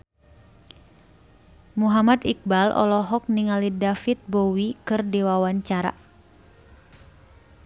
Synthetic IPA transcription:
muɦamad̪ik̚balʔɔ̰lɔɦɔk̚niŋalidafit̪̚bowikɨrdiwawaɲt͡ʃaɾa̰

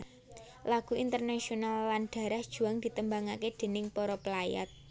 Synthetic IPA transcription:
laɡ̥ṳint̪ərnasionalːanɖ̪̥a̤ɾahd̥ʒ̥ṳaŋd̪̥i̤t̪əmbaŋaked̪̥e̤nɪŋpɔɾɔpəlaja̰t̪̚

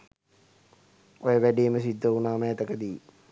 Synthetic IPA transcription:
ojəʋæɖiməsid̪ʱːəunaːməːt̪əkəd̪iː

